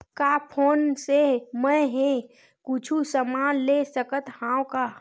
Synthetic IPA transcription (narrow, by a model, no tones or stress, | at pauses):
kapʰoːnsemə̃ɦẽ | kʊt͡ʃʰusəmaːnlesəkət̪hãːwka